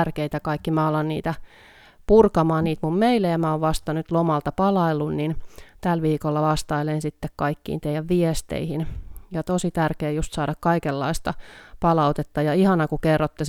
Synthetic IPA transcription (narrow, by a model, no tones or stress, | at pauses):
rkeit̪ækɑikːimæɑlːɑnnḭːt̪æ | purkɑmɑːnniːt̪mummeilːejɑmæoʋʋɑst̪ɑnyt̪lomɑlt̪ɑpɑlɑilːunnint̪ælʋiːkolːɑʋɑst̪ɑilensit̪ːekkɑikːḭːnt̪eijæʋʋiest̪ḛihinjɑt̪osit̪ærkeːjust̪sɑːdɑkkɑikelːɑist̪ɑpɑlɑut̪et̪ːɑjɑihɑnɑkukerːot̪ːe